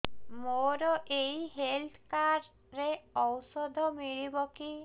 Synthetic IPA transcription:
moɾɔʔeiɦelt̪ʰkaɾː | eɔwsɔd̪ʱɔmiɭibɔki

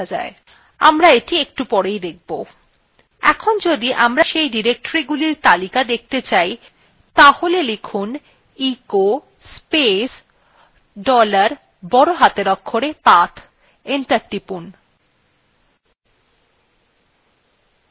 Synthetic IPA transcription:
ad͡ʑa̰e | a̰mɾaeʈiek̚ʈupɔɾejd̪ek̚ʰbo | ɛ̰kʰond͡ʑod̪iʔamɾaʃejɖiɾek̚ʈoɾiɡuliɾt̪alikad̪ek̚ʰt̪et͡ɕaj | t̪aholelekʰun | iko | spes | ɖɔlaɾ | bɔɾoɦat̪eɾɔkʰːoɾepat̪ʰ | eɳʈaɾʈipun

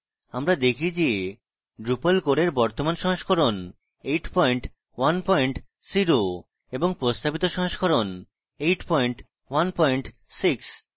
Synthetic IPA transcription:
amɾad̪ekʰid͡ʑe | ɖɾupalkoɽeɾbɔɾt̪omanʃɔ̃ɦoʃkʰɔɾon | ejʈpɔjɳʈ | wanpɔjɳʈ | siɾo | eboŋpɾost̪abit̪oʃɔ̃ɦoʃkʰɔɾon | ejʈpɔjɳʈ | wanpɔjɳʈ | siks

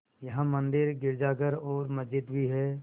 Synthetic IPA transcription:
jɐɦãmə̃nd̪ɪɾɡɪɾd͡ʒaːɡəɾɔːɾmɐzɪd̪bʱiɦɛː

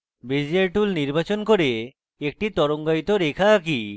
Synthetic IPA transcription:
bed͡ʑeɾʈulniɾbat͡ɕonkoɾe | ek̚ʈit̪ɔɾoŋɡajt̪oɾekʰak̬i

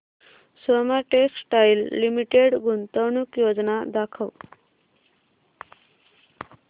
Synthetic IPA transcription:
somaʈeksʈajilːimiʈeɽɡunt̪əwɳukjod͡znad̪akʰəw

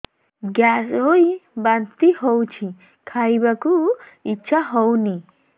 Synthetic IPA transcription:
ɡasojbant̪ihɔwt͡ʃʰi | kʰajbaku | it͡ʃʰːaɦɔwni

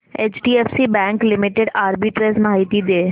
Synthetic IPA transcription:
eːt͡ʃʈiːefsibɛ̃ːŋklɪmɪʈeɖaːɾbiʈɾeːsmaːɦit̪id̪eː

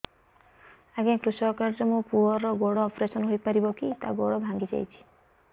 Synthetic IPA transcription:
aɡekɾuʃɔkaɾɾɔmũpuɦɔɾɔɡoɽɔːpɾesɔnɦojpaɾibɔkit̪a̰ɡoɽɔbʱãŋɡid͡ʒa̰jt͡ʃʰi̥

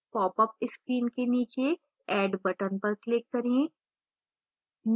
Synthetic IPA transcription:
pɔːpəp̚ɪskɾiːnkeniːt͡ʃe | ɛːɖbɐʈənpɐɾklɪkːɐɾẽ | n

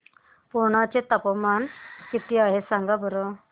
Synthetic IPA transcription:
puɳ̃at͡ɕet̪apəmankit̪iaɦesaŋɡabəɾə

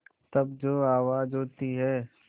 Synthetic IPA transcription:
t̪ɐbd͡ʒoːaːʋaːd͡ʒɦoːt̪iɦɛː

